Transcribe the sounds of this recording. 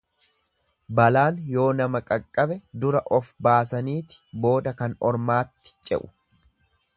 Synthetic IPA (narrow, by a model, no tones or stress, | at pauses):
bɐlaːnjo̞ːnɐmɐkʼɐkʼːɐbɛd̪ʊɾɐʔɔfbaːsɐniːt̪ɪ̥bo̞ːd̪ɐkɐnɔɾmaːt̪ːɪ̥t͡ʃʼɛ̰ʔʊ̥